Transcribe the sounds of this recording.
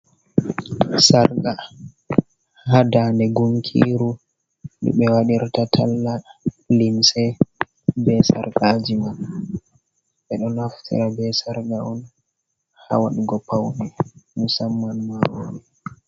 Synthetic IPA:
saɾɡa | hadandɛɡuŋkʰḭɾu | ɗḭɓɛwaɗiɾtatʰalːa | linsɛ | bɛsa̰ɾɡad͡ʒiman | ɓɛɗɔnaftʰḭɾabɛsaɾɡaɔn | ha̰waɗuɡɔpʰawnɛmusamːanmaɾoːɾɛ

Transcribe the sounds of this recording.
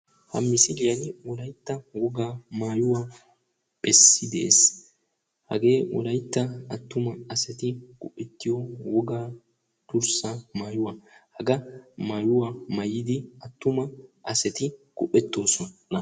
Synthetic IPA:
hɐ̰mːɪsɪlɪjɐnɪwɔlɐjt̪ːɐwɔɡaːmaːjʊwaː | b̥ɛsːɪd̪ɛʔḛːs | hɐ̰ɡe̞ːwʔɔ̰lɐjt̪ːɐɐt̪ːʊmɐɐsɛt̪ɪɡ̥ʊʔːɛt̪ːɪjɔwɔɡaː | t̪ʊɾsamaːjʊwaːhɐɡɐmaːjʊwaːmɐjɪd̪ɪɐt̪ːʊmɐʔɐsɛt̪ɪkʼʊʔːɛt̪ːo̞ːsɔnnɐ

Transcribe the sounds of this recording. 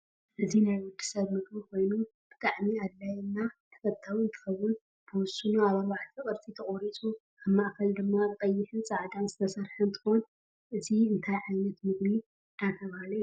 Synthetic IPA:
ʔɨzinajwʊd̪ɨ̥sɐβmɨɡmɨkʰo̞jnu | b̥ɨt̪ʼaʕmiad̪ːajɛnːat̪ʰɐ̥kʰɐt̪ʰːawint̪ʰɨ̥xɐwːʊn | b̥ɨwʊsːɨnuaβaɾβaʕt̪ʰikʼɨɾt̪ʰit̪ʰɐχʼoɾit͡sʼu | aβmaʔkʰɐld̪ɨmːabʼɐjːɪħɨnt͡sʼaʕd̪anzɨt̪ʰɐsɐɾħɨnt̪ʰɨ̥xon | ʔɨziɨnt̪ʰajʕajnɐt̪mɨɡni | nat̪ʰɐβhalɐj

